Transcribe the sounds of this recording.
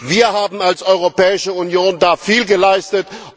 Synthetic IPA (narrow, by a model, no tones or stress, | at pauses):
viːɐhaːbm̩alsʔɔʏʁopɛːɪʃəunjoːndaːfiːlɡəlaɪstət